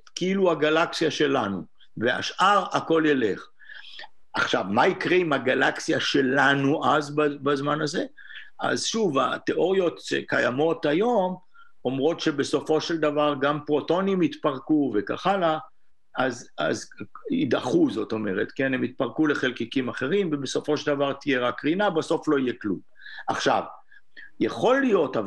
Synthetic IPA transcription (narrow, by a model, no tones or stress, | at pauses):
keiluhaɡalaksijaʃe̞lanṵ | vea̰ʃʔaʁako̞lele̞χ | ʔaχʃavmaikʁeimhaɡalaksijaʃe̞lanuʔazbabazmanaze̞ | a̰zʃuvat̪eʔo̞ʁijo̞t̪ʃe̞̰kajamo̞t̪ajo̞m | o̞mʁo̞tʃe̞be̞so̞fo̞ʃe̞ld̪avaʁɡampʁo̞to̞nimit̪paʁkuveka̰χala | aza̰zḭd̪a̰χuzo̞t̪o̞me̞ʁet̪ke̞nemit̪̚paʁkule̞χe̞lkikimaχe̞ʁimvebeso̞fo̞ʃeld̪avaʁt̪ijeʁakːʁinabaso̞flo̞ije̞klṵm | aχʃa̰v | jeχo̞lːijo̞tav